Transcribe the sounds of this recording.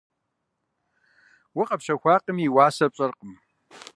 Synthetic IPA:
wʊqʼɐpɕɐxʷaːqəmjiwaːsɐpɕʼɐrqəm

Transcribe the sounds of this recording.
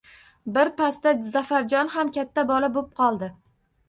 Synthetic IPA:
bɪɾpast̪azafaɾd͡ʒɒnɦamkʲat̪ʰːabɒlabop̚qʰɒlˠd̪ɪ

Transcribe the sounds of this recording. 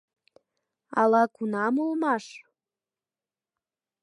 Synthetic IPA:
ɑlɑkunɑmolmɑʃ

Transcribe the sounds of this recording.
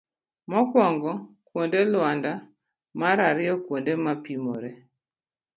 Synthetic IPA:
mɔkwɔŋɡɔ | kwondelwanda | maɾaɾɪɔkwondemapimoɾe

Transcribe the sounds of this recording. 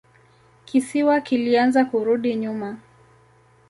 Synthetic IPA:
kisiwakilianzakuɾuɗiɲuma

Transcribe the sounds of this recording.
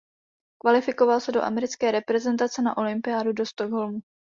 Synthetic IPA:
kvalɪfɪkovalsɛdo̞ʔa̰mɛɾɪt͡skɛːɾɛpɾɛzɛnt̪at͡sɛna̰ʔo̞lɪmpɪjaːdudo̞st̪oɡɦo̞lmu

